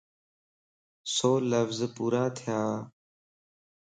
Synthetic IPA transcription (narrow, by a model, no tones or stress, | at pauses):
soːləfzpuːɾaːt̪ʰɪjaː